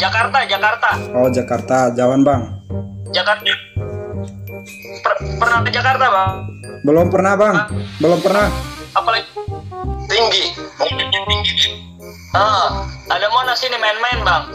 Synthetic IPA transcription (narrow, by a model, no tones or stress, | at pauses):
d͡ʒakart̪ad͡ʒakart̪aɔd͡ʒakart̪ad͡ʒawanbaŋd͡ʒakart̪a | pəpərnat̪əd͡ʒakart̪abaŋbəlɔmpərnabaŋbəlɔmpərnahapalɛ | t̪iŋɡimuŋkɪnɲaŋt̪iŋɡiki | əadamonasinimaɛnmaɛnbaŋ